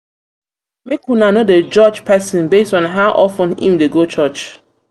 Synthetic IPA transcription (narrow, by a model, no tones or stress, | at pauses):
mekunanoded͡ʒɔd͡ʒpʰɛsɔ̃nbestɔ̃nɦaʊʔɔfə̃nḭ̃mdeɡot͡ʃɔt͡ʃ